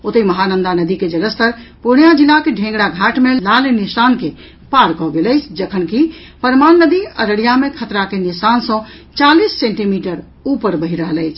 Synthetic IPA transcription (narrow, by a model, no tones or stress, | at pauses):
ot̪əməɦanənd̪anəd̪iked͡ʒələst̪əɾpuɳjad͡ʒilːakeɖʱẽŋɡɽaɡʱaʈmelalenisanke | paɾkɔɡeləɪt͡ʃʰd͡ʒəkʰənki | pəɾmanːəd̪iə̰ɾəɽijamekʰət̪ɾakenisansə̃ | t͡ʃalisːẽɳʈimiʈəɾ | upəɾbəɦiɾəɦələɪt͡ʃʰ